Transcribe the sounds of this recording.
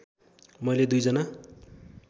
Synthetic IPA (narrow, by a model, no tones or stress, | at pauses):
mʌjled̪ujd͡zʌna